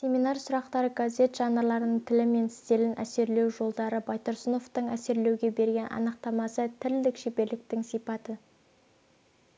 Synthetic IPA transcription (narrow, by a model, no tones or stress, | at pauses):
sʲe̞minɑɾsʊɾɑqt̪ɑɾəɡazʲe̞t̪ʒ̥ɑnəlˠɑɾənəɴt̪ʰɪlɪme̞nɪst̪e̞lɪnʔæ̰se̞ɾle̞wʒo̞lˠd̪ɑɾəbajt̪oɾsəno̞ft̪əɴæse̞ɾle̞wɡʲe̞be̞ɾɡʲe̞nʔɑ̰nəq̚t̪ɑmɑsət̪ʰɪɾd̪ɪkʃepe̞ɾlɪk̚t̪ɪŋsijpɑt̪ə